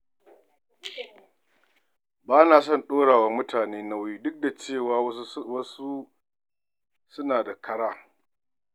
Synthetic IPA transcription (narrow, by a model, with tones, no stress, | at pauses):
baː˦naː˨sɔ˦˨nɗoː˦ɽaː˨wɐ˦mmʊ˦tʰaː˨neː˦na˦wjiː˦dʊ˦k̚da˨t͡ʃeː˦˨waː˨˦wɐ˦su˦ | sʊ˦naː˨da˨kʰɐ˦ɽaː˦